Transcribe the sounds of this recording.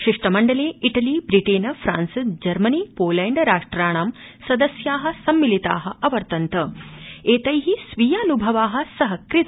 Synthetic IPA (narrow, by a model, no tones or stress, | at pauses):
ʃiʂʈɐmɐɳɖɐleːiʈɐlibɾiʈeːnɐfʰɾa̰ːnsd͡ʒɐɾmɐnipoːlɐjɳɖɾaːʂʈɾaːɳaːm | sɐd̪ɐsjaːɦɐ̆sɐmːilit̪a̰ːɦɐ̆ɐʋɐɾt̪ɐnt̪ɐeːt̪ɐjɦisʋijaːnubʱɐʋaːɦɐ̆sɐɦɐkɾit̪